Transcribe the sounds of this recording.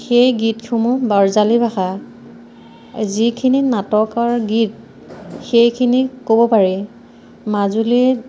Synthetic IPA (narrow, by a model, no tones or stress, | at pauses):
xejɡitkʰumubaɹzalibʱaxa | zikʰininatɔkaɹɡit̚ | xejkʰinikobɔpaɹi | mazuliɛ